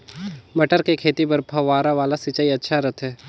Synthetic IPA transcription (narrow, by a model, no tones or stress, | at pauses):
mɐʈəɾkekʰeːt̪ipɐɾpʰɐʋaːɾaʋaːlasit͡ʃaːiɐtːʃʰaɾɐt̪ʰɦɛː